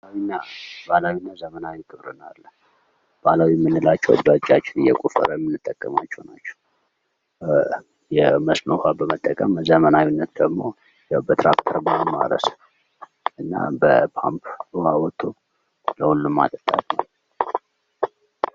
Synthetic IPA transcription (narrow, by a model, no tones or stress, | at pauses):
awinːabalawinːazəmənawikʰɨβɾɨnalːə | b̥alawimːɨnːɨlat͡ʃːɛwə̰d̪at͡ʃʼːat͡ʃːɪnɨjɛ̰kʷʼufə̰ɾəjɛmːɨnːɨt̪ʼːəkʼːəmat͡ʃːɛwnat͡ʃːɛ̥w | jɛməsnəhabəmət̪ʼːəkʼəmzəmənawinːət̪d̪əɡmo̞ | jɛbət̪ʰɾa̰kt̪ʰəɾbəəma̰ɾə̰s | ʔɨnːa̰bəpʰa̰mpʰwawɔt̪ʰo | ləhulːumːa̰t̪ʼət̪ʼat̪nəw